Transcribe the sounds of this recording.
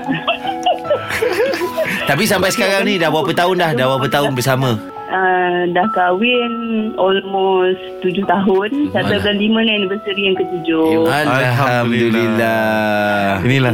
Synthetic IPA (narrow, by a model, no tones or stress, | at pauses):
t̪ap̬is̬ampajsə̥kaɾaŋnĩdahbuapət̪aʊnlahdahbwapət̪aʊnbərsamə̃ | ʔədahkawɪnɔlmɔs | t̪ud͡ʒʊht̪aɦʊnsat̪abalimə̃nanbəsəɾijaŋkət̪ud͡ʒʊalɦamd̪alilːa | nila